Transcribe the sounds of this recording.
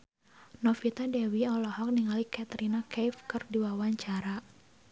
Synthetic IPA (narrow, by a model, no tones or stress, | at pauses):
nɔfit̪adɛwiɔlɔhɔk̚niŋalikat̪ɾinakɛjfkɨrdiwawaɲt͡ʃaɾa